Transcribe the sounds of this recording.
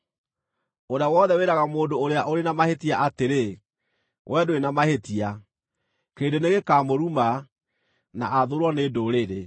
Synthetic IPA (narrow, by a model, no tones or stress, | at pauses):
oɾeawɔðɛweɾaɣamoːndoːɾeaʔoɾenamahetiaʔateɾe | wʔɛdoenamahetia | keːndeneɣekaːmoɾuma | na̰ʔaðoɾwɔneːdoɾeɾe